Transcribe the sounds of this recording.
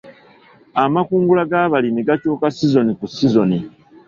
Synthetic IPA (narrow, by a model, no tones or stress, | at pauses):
amakuːŋɡulaɡaːβalimiɡacuːkasizo̞nikusizo̞ni